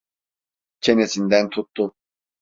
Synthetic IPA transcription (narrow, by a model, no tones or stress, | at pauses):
cʰe̞nesind̪ænt̪ʰut̪ːʊ